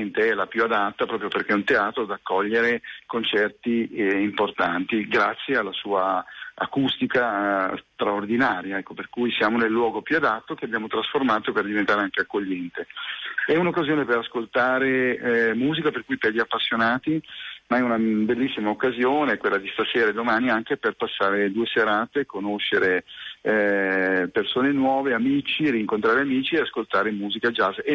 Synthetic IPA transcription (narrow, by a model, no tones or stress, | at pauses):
ent̪eɛlapjuad̪at̪ːapɾɔːpɾjoperk̟eɛunt̪eaːt̪ɾoad̪akːɔʎːeɾekont͡ʃɛrt̪iimport̪ant̪iɡɾat̪sːjealːasuːaa̰kust̪ikast̪ɾaord̪inaːɾjaɛkːoperkujsjaːmonelːwɔːɡopjuad̪at̪ːok̟eabjaːmot̪ɾasformaːt̪operd̪ivent̪aɾeaŋkeakːoʎːɛnt̪eɛunokːazjoːnepeɾaskolt̪aːɾeɛmuːzikaperkujperʎːiapːasːjonaːt̪imaɛunabelːisːimaokːazjoːnekwelːad̪ist̪aseːɾaed̪omaːniaŋkeperpasːaːɾed̪uːeseɾaːt̪ekonoʃːeɾe | persoːnenwɔːveamiːt͡ʃiɾiŋkont̪ɾaːɾeamiːt͡ʃieaskolt̪aːɾemuːzikad͡ʒaz